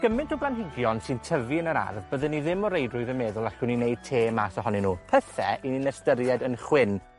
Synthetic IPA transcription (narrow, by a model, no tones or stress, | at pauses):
ɡ̥əmɪntʰɔblanɦɪɡjɔnsɪntʰəviənəɾa̰rvbəðənːiðɪmɔɾejdrʊɨðənmɛðʊlˠaɬɪninejd̥̚tʰeːmasɔɦɔnɛnuːpʰəθɛʔininɛstəɾjɛdənχwɪn